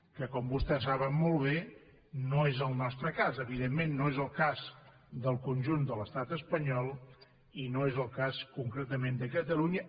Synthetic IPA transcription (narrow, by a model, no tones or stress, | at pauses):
kəkɔmbust̪ɛsaβəmmɔlˠβ̞e | noezəlˠnɔst̪ɾəkazəβiðemːenːoezəlˠkaz | d̪əlˠkunʲʒund̪ələst̪at̪əspəɲɔlˠ | inoezəlˠkaskuŋkɾet̪əmend̪əkət̪əluɲə